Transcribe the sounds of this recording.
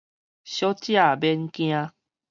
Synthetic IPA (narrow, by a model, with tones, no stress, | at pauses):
ɕjɔ˦t͡ɕja˦˨bɛ˧nkj̃ã˧